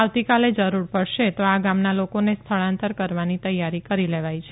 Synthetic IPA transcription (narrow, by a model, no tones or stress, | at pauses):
aʋt̪ikaled͡ʒəɾuɾpəɽʃet̪oaɡamnalokonest̪ʰəɭãnt̪əɾkəɾʋanit̪əjːaɾikəɾileʋajt͡ʃʰe